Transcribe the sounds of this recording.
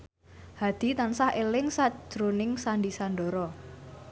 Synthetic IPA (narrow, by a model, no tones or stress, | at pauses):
had̪̥i̤t̪ansahʔelɪŋsḁʒ̥ɾonɪŋsanɖisanɖɔɾɔ